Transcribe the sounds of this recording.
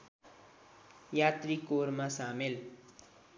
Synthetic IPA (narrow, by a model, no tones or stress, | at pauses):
jat̪rikoɾmasamel